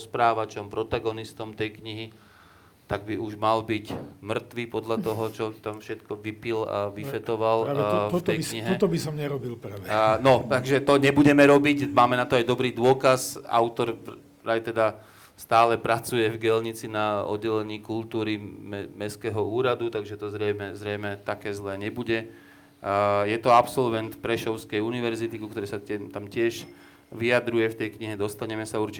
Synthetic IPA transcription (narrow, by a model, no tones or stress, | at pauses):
spɾaːʋat͡ʃɔmpɾɔt̪aɡɔnist̪ɔmt̪ɛjkɲiɦi | t̪aɡ̚biuʒmalbicmr̩t̪ʋiːpɔd̪ʎat̪ɔɦɔt͡ʃɔt̪amfʃɛt̪kɔʋipila̰ʋifɛt̪ɔʋalt̪ɛjkɲiɦɛt̪ɔbisɔmɲɛɾɔbilpɾʋɛnɔt̪aɡʒɛt̪ɔɲɛbuɟɛmɛɾɔbicmaːmɛnat̪ɔajd̪ɔbɾiːd̪ʊɔkaza̰ʊt̪ɔɾ | ɾajt̪ɛd̪a | st̪aːlɛpɾat͡sujɛvɡɛlɲit͡sinaɔ̰d̪ːɛlɛɲiːkult̪uːɾimmɛskɛːɦɔuːɾad̪ut̪aɡʒɛt̪ɔzɾɛjmɛzɾɛjmɛt̪akɛːzlɛːɲɛbuɟɛ | jɛt̪ɔapsɔlʋɛnt̪pɾɛʃɔʊskɛjuniʋɛɾzit̪ikukt̪ɔɾɛsatɛmt̪amcɪɛʒ | ʋijad̪ɾujɛft̪ɛjkɲiɦɛd̪ɔst̪aɲɛmɛsauɾt͡ʃi